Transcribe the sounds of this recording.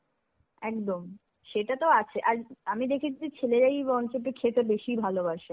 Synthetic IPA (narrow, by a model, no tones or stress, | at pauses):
ɛkd̪om | ʃeʈat̪oat͡ɕʰeʔaɾamid̪ekʰet͡ɕʰid͡ʑet͡ɕʰeled͡ʑajbɔnt͡ɕepekʰet̪obeʃibʱalobaʃa